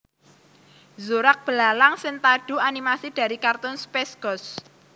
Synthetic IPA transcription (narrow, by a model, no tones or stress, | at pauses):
zuɾak̚b̥əlalaŋsɪnt̪aɖ̥ṳanimasid̥a̤ɾikart̪ʊnspɛsɡ̥ɔs